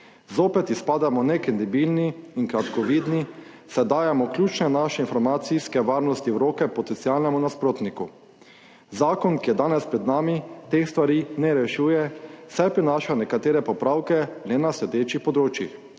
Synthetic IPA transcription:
zoːpɛt̪ispaːd̪amɔnɛkɾɛnd̪ibiːlniːŋkɾat̪kɔʋiːd̪ni | sɛd̪aːjamɔklʲjuːt͡ʃnɛnaːʃɛinfɔɾmat̪siskɛʋaːɾnɔst̪iwɾoːkɛpɔt̪ɛnt̪sialnɛmunaspɾoːt̪niku | zaːkɔnkijɛd̪aːnɛspɾɛd̪naːmit̪eːxst̪ʋaɾiːnɛɾɛʃuːjɛsajpɾinaːʃanɛkat̪eːɾɛpɔpɾaːwkɛlɛnaslɛd̪eːt͡ʃixpɔd̪ɾoːt͡ʃjix

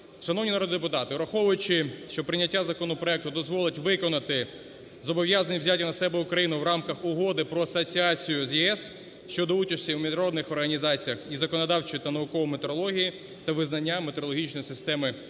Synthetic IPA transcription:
ʃɐnɔwnʲinɐɾɔd̪ɪd̪epʊt̪ɑt̪ɪɾɐxɔʋʊjʊt͡ʃɪʃt͡ʃɔpɾɪnʲːɐtʲːazɐkɔnɔpɾɔɛk̚t̪ʊd̪ɔzʋɔlˠɪtʲʋɪkɔnɐt̪ɪ | zɔbɔʋʲjazɐnʲiwzʲat̪ʲɪnɐsɛbɛʊkɾɐjinʊwɾɑmkɐxʊɦɔd̪ɪpɾɔɐsɔt͡sʲiɑt͡sʲijʊzʲjɛɛs | ʃt͡ʃɔd̪ɔut͡ʃɐsʲtʲiwmʲiʒnɐɾɔd̪nɪxɔrɦɐnʲizɑt͡sʲijɐxizɐkɔnɔd̪ɑwt͡ʃɪjit̪ɐnɐʊkɔʋɔmet̪eɾɔlˠɔɦʲiji | t̪ɐʋɪznɐnʲːamet̪eɾɔlˠɔɦʲit͡ʃnɔjisɪst̪ɛmɪ

